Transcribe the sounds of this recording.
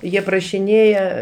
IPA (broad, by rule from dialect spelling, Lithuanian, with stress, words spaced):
ˈjiɛ prɐʃʲɪˈnʲeːjɛ